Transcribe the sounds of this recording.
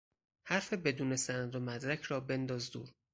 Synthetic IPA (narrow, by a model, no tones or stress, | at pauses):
hæɾfe̞be̞d̪uːne̞sænæd̪omæd̪ɾæcʰɾɒːbe̞nd̪ɒːzd̪uːɾ